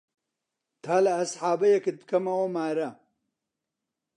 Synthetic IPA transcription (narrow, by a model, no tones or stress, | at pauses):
t̪ʰaːlɐːsħaːbɐjeket̪̚kɐmɐwomaːɾɐ